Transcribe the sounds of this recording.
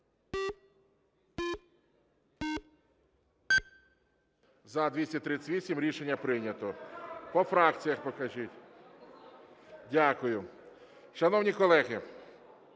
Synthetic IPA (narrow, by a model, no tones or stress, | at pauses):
zɐd̪ʋʲisʲɐt̪ɾɪt͡sʲʋʲisʲimɾʲiʃenʲːɐpɾɪnʲɐt̪ɔpɔfɾɑk̚t͡sʲijɐxpɔkɐʒitʲ | dʲakʊjʊ | ʃɐnɔwnʲikɔlˠɛɣɪ